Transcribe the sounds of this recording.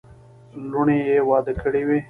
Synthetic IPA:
luɳejewɑːd̪əkəɽiwe

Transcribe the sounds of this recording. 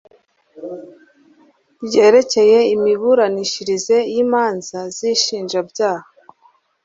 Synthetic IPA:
bje̞ːɾe̞ce̞je̞imiβuɾaniʃiɾize̞jiːmaːnzaziʃiːnʒabɟaːha

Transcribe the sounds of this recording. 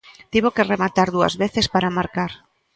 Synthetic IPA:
t̪iβokeremat̪aɾðua̰zβeθespaɾamaɾkaɾ

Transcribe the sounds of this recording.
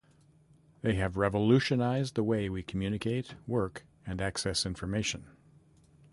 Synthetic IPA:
ðeɪɨvɹɛvəlʉʃɨnaɪzðəweɪwikʰm̩jʉnɨkʰeɪt̚wɜ˞k | ɨ̃næksɛsɪ̃ɱfə˞meɪʃɨ̃n

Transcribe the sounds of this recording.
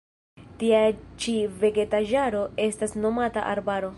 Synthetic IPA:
tiat͡ʃive̞ɡe̞taʒaɾo̞e̞stasno̞mata̰ʔa̰ɾbaɾo̞

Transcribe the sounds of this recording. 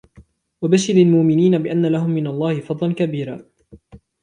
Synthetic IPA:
wabaʃɪɾalmʊʔmɪniːnabɪʔanːalaɦʊmːɪnalˤːɑːhɪfɑd̪ˤlɑnkabiːɾaː

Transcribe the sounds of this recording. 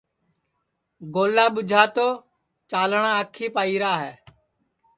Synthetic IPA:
ɡoːlaːɓʊd͡ʒʱaːt̪oː | t͡ʃaːlɳãːəkʰiːpaːiːɾaːɦɛː

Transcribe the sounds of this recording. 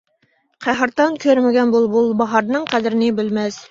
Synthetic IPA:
qʰæɦɑɾt̪ɑnkʲʰøɾmɪɡʲɛnbulˠbulˠbɑɦɑɾnɨŋqʰæd̪ɪɾɪnɪbɪlmɛs

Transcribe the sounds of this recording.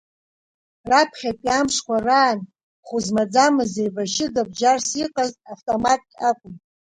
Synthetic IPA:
rapʰχʲapʼjamʂkʷʰaraːn | χuzmad͡zamɨzejvaʃɪdab̚d͡ʒarsiqʼaztʼaftʼomatʼkʲʼakʷʼʊm

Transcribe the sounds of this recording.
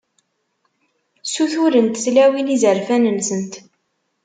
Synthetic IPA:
suθuɾənt̪θlæwilizəɾfænəmsənt̪

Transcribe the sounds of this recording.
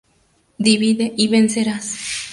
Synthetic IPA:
d̪iβiðeʔiβenseɾas

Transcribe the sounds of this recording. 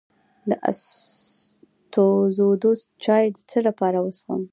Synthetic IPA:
d̪əʔa̰s | t̪ozod̪ost̪̚t͡ʃɑjd̪ət͡səɽapɑɾawəswə̰m

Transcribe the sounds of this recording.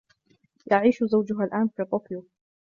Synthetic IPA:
jaʕiːʃzawd͡ʒʊɦalʔaːnfit̪ˤoːkjʊ

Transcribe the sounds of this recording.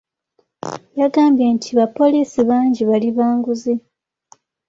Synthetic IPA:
jaɡaːmbjentʰiβapo̞liːsiβaːɲɟiβaliβaːŋɡuze

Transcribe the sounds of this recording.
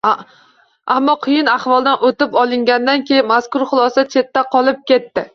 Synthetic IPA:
amːɒqʰʊjɪnaχvɒlˠd̪anot̪ɪpɒlˠɪŋɡʲand̪ankʲʰejɪnmaskʊɾχʊlˠɒsat͡ʃʰe̞t̪ːaqʰɒlˠɪp̚kʲe̞t̪ːɪ

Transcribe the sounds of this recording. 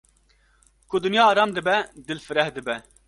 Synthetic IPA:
kʊd̪ɨnjɑːɑːɾɑːmd̪ɨbɛd̪ɨlfɨɾɛhd̪ɨbɛ

